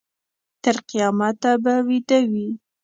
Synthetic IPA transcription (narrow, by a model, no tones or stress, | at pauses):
t̪əɾqijɑmat̪ːabawid̪awi